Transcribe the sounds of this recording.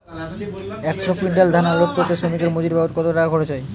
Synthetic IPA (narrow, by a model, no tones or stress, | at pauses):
ɛkʃofiɖald̪ʱanalot̪̚koɾt̪eʃomikeɾmod͡ʑiɾbabot̪̚kɔt̪oʈaɡʱoɾet͡ɕʰɔj